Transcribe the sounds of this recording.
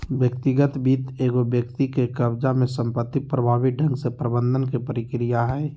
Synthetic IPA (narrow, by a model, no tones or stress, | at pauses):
bjəkt̪iɡət̪biːt̪eːɡobjəkt̪ikekəbd͡ʒamẽsə̃mpət̪ːipɾəbʱaːbiɖʱə̃ŋɡsepɾəbə̃nd̪ʱənkepəɾɪkɾijaɦɛː